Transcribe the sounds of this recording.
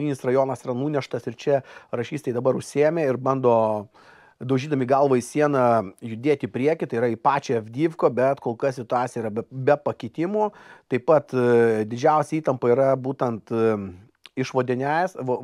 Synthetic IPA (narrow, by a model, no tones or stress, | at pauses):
nʲiːnʲɪsrɐjoːnɐsiːɾɐnuːnʲɛʃt̪ɐsɪɾt͡ʃʲɛrɐʃʲiːst̪ɐɪd̪ɐbɐɾʊʃʲsʲeːmʲeːɪɾbɐnd̪oː | d̪ɐʊʒʲiːd̪ɐmʲiːɡɐlˠʋɐisʲiɛnɐjʊd̪ʲeːt̪ʲipʲɾʲiɛkʲɪt̪ɐɪiɾɐɪpɑːt͡ʃʲeɛvʲd̪ʲiːʋkoːbʲɛt̪koːlˠkɐsʲɪt̪ʊɑːt̪sʲjiɾɐbʲɛbʲɛpɐkʲɪt̪ʲɪmot̪ɐɪpɐt̪d̪ʲɪd͡ʒʲɛˑʊsʲɛiːt̪ɐmpɐiːɾɐbuːt̪ʲɛnt̪ | ɪʃʋoːd̪ʲɪnʲæjsʋo